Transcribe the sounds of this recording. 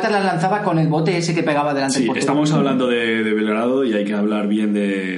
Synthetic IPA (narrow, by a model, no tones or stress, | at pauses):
t̪alazlanθaβako̞ne̞lβo̞t̪e̞esekepe̞ɣ̞aβaðe̞lanst̪ipoɾet̪amosaβland̪o̞ðe̞ | ðeβelɣɾaðoiajke̞aβlaɾβje̞nd̪e̞